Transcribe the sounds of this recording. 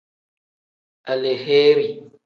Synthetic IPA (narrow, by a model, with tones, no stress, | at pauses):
a˨le˨he˦ɾi˨